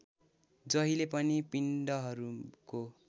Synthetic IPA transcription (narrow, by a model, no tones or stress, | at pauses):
d͡zʌɦilepʌnipiɳɖʌɦʌɾuko